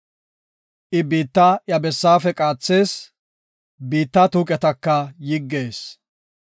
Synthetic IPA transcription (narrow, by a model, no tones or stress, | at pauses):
ʔɪbiːt̪ːɐjɐbɛsːaːfɛkʼaːt͡sːe̞ːs | biːt̪ːat̪uːkʼɛt̪ɐkːɐjɪɡːe̞ːs